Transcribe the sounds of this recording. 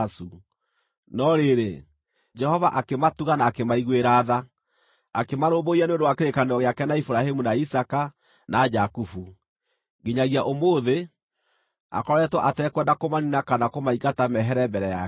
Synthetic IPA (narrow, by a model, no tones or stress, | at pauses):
su | nɔɾeɾe | d͡ʒɛhɔvaʔakematuɣanaːkemaiɣweɾaːða | akemaɾoːboianeondowakeɾekaneɔɣeakɛnaifuɾahemunaisaka | nad͡ʒakufu | ɡeɲaɣiaʔomoːðe | a̰kɔɾɛtwɔʔatɛkwɛndakomaninakanakomaikatamɛɦɛɾɛmbɛɾɛja